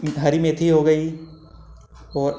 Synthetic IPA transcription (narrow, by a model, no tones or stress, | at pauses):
ɦɐɾimẽt̪ʰiɦoɡɐi | ɔːɾ